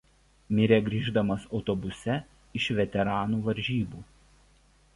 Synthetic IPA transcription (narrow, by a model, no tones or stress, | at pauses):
mʲɪɾʲeɡɾʲiːʒd̪ɐmɐsɒʊt̪ɔbʊsʲɛ | ɪʃʋʲɛt̪ʲɛɾɑːnuːʋɐɾʲʒʲiːbuː